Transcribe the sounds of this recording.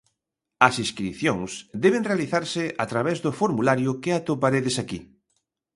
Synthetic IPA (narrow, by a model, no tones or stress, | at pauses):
ɐsĩskɾiθjoŋsd̪ɛβ̞enrealiθaɾsɪʔat̪ɾaβ̞ɛzðʊfoɾmulaɾjʊkɪat̪opaɾeðesaki